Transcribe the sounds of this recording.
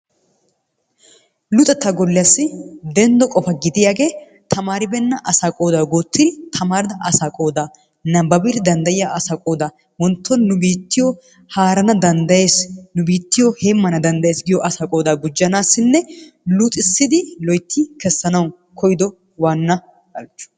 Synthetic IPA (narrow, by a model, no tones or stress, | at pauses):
lʊt̪ʼɛt̪ːɐɡɔlːɪjasːɪd̪ɛnd̪ɔkʼɔfɐɡɪd̪ɪjaːɡe̞ː | t̪ʰɐmaːɾɪbɛnːɐʔɐsaːkʼo̞ːd̪aːɡoːt̪ːɪd̪ɪt̪ʰɐmaːɾɪd̪ɐʔɐsaːkʼo̞ːd̪aː | nɐbɐbɪɾd̪ɐnd̪ɐjɪjaʔɐsaːkʼoːd̪aː | wɔnt̪ːɔnːʊbiːt̪ːɪjɔ | haːɾɐnɐd̪ɐnd̪ɐjeːsnʊbiːt̪ːɪjɔheːmːɐnɐd̪ɐnd̪ɐjeːsɡɪjɔʔɐsaːkʼo̞ːd̪aːɡʊd͡ʒːɐnaːsːɪnːɛlʊt̪ʼɪsːɪd̪ɪlɔjt̪ʰːɪkɛsːɐnɐw | kʰɔjɪd̪ɔ | waːnːɐ | ɐlt͡ʃːʊ̥